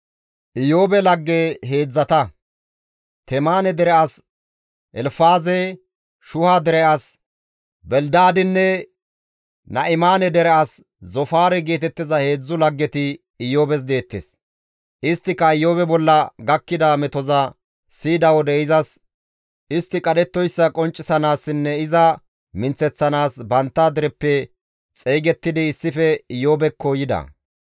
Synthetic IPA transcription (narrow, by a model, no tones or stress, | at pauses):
ʔɪjo̞ːbɛlɐɡːeːɦe̞ːd͡zːɐt̪ɐ | t̪ɛmaːnɛd̪ɛɾɛas | ʔɛlfaːzɛ | ʃʊhad̪ɛɾɛɐs | bɛld̪aːd̪ɪnːɛ | nɐʔɪmaːnɛd̪ɛɾɛʔɐs | zɔfaːɾɛɡe̞ːt̪ɛt̪ːɪzɐhe̞ːd͡zːʊlɐɡːɛt̪ɪː | jo̞ːbɛs̬d̪e̞ːt̪ːḛːs | ʔɪst̪ːɪkːɐɪjːoːbɛbɔlːɐɡɐkːɪd̪amɛt̪ɔzɐ | siːd̪ɐwɔd̪ɛɪzɐs | ɪst̪ːɪkʼɐd̪ɛt̪ːɔjsːɐkʼɔnt͡ʃʼːɪsɐnaːsːɪnːɛɪzɐ | mɪnt͡sːɛt͡sːɐnaːsbɐnt̪ːad̪ɛɾɛpːɛ | t͡sʼeːɡɛt̪ːɪd̪ɪːsːɪfɛɪjoːbɛkʰːoːjɪd̪ɐ̰